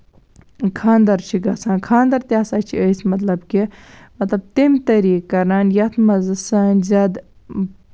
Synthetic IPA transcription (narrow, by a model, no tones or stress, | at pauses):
kʰãːnd̪ɐɾt͡ʃʰiɡɐsãːnkʰaːnd̪ɐɾt̪ʲjaːsaːt͡ʃʰiəːsmɐt̪lɐbkimɐt̪lɐb̚t̪imt̪ɐɾiːkːɐɾaːnjɐt̪ʰmɐzɨsɐːnʲzɐd̪